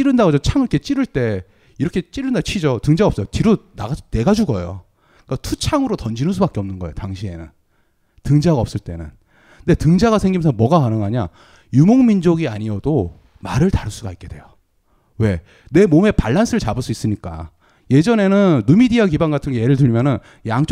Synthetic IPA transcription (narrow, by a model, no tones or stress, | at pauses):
t͡ɕ͈iɾɯndaɡʌd͡ʑot͡ɕʰaŋiɾʌkʰet͡ɕ͈iɾɯɭt͈e̞ | iɾʌkʰe̞t͡ɕ͈iɾɯndat͡ɕʰid͡ʑotɯŋd͡ʑaaʌps͈ʌjotiɾonaɡne̞ɡad͡ʑuɡʌjo̰ | k͈atʰut͡ɕʰaŋɯɾotʌnd͡ʑinɯns̬ʰubak͈eʌmnɯnɡʌejo̰taŋɕʰie̞̰nɯ̰n | tɯŋd͡ʑaɡaʌps͈ɯɭt͈e̞̰nɯ̰n | de̞tɯŋd͡ʑaɣasʰe̞ŋɡimensʰʌmʌɡakanɯŋɦaɲa | jumoŋmind͡ʑoɡiaɲijʌdo | maɾɯɭtaɾɯɭs͈uɡaitk͈e̞dwe̞jo | we̞ | ne̞mome̞paɭːansʰɯɾɯɭt͡ɕabɯɭs͈uis͈ɯmɲik͈a̰ | je̞d͡ʑʌne̞nɯnːumidiakibanɡatʰɯŋɡeje̞ɾɯɭt̬ɯʎmjʌnɯn | jaŋt͡ɕ͈